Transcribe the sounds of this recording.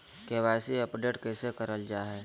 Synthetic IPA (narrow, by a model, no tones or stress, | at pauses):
keʋaːɪsiəpɖeːʈkɛsekəɾəld͡ʒaːɦɛː